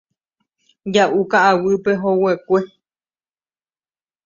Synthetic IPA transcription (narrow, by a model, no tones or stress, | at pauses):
d͡ʒaʔukaawɨpeɦowekʷe